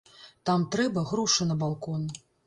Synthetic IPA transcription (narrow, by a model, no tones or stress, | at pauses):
t̪amt̪ɾɛbɐɣɾuʂɐnɐbalˠkɔn